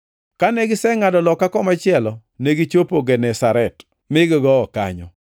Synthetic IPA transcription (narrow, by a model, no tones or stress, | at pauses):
kaneɡɪsɛŋadɔlɔkːakɔmat͡ʃɪɛlɔ | neɡit͡ʃopoɡɛnɛsaɾɛt | mɪɡɔɡɔːka̰ɲɔ̰